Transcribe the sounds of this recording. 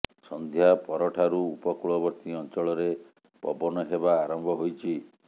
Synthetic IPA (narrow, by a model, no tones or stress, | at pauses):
sɔnd̪ʱjapɔɾɔʈʰaɾuːpɔkuɭɔbɔɾt̪iɔnt͡ʃɔɭɔɾe | pɔ̰bɔnɔɦeβaːɾɔmbʱɔɦojt͡ʃʰi